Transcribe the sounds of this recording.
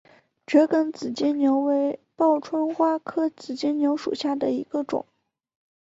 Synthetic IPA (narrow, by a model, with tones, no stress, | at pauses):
t͡ɕɥɛ˧˥kə˧˩nt͡sɹ̩˨˩t͡ɕjɛ˥nnjo˧˥ʊwe˧˥ɪpɑ˥˩ʊʈ͡ʂʰwə˥nxwa˥kʰɤ˥t͡sɹ̩˨˩t͡ɕɛ˥nnjo˧˥ʊʂṵ˨˩ɕja˥˩d̪ə˩i˧˥ɡə˧ʈ͡ʂʊ̰˨˩˦ŋ